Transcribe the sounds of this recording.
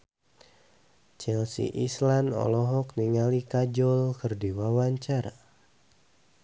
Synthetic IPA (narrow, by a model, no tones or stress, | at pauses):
t͡ʃɛlsḭʔislanɔ̰lɔɦɔk̚niŋalikad͡ʒɔlkɨrdiwawaɲt͡ʃara